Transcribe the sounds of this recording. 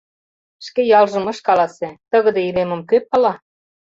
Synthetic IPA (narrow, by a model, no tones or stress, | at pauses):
ʃkejɑlʒɤ̆mɤ̆ʃkɑlɑset̪ə̆ɣə̆d̪eilemə̆mkøp̚ɑlɑ